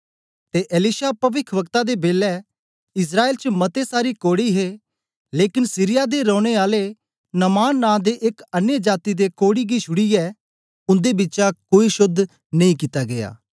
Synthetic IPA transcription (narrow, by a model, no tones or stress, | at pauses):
t̪eːʔelɪʃapɐʋɪkʰʋəkt̪ad̪ebeːlːɛ | ɪs̬ɾaːeːlt͡ʃəmɐt̪esaːɾikoːɽiɦe | leːkɪnsiɾɪjad̪eɾɔ̃ːɽ̃eaːle | nɐmaːnːãːd̪eʔɪkɐnjəd͡ʒaːt̪id̪ekoːɽiɡiʃʊɽiɛː | ʊ̃nd̪ebɪːt͡ʃakoːiʃʊd̪ʱ | nɐĩkiːt̪aɡeja̰ː